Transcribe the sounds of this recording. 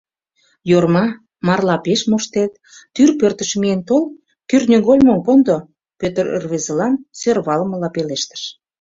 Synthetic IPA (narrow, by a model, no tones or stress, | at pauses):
jormɑ | mɑrlɑpeʃmoʃt̪et̪̚ː | yrpørt̪əʃmient̪ol | kyrnʲeɣolʲmompond̪o | pøt̪ərə̰rβezəlɑnsørβɑlmə̆lɑpeleʃt̪ə̥ʃ